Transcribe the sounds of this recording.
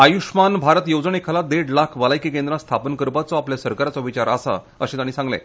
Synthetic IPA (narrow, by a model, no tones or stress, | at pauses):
ajuʂmanbʱaɾət̪jod͡zɳekʰalad̪eɽlakʰʋalajkikẽnd̪ɾãst̪ʰapənkəɾpat͡sɔapljasəɾkaɾat͡sɔʋit͡ɕaɾə̰sa̰ | ə̰ɕẽt̪añːisãŋɡlḛ̃